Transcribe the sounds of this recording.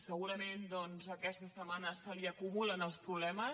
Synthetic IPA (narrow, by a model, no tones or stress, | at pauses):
səɣuɾəmend̪ɔnzəkɛst̪əsəmanəsəliəkumulənəlˠspɾuβlɛmə